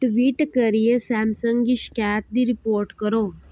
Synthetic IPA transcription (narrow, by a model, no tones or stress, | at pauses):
ʈʋiʈkəɾijesɛmsəŋɡiʃkat̪̚d̪iɾipoɾʈkəɾo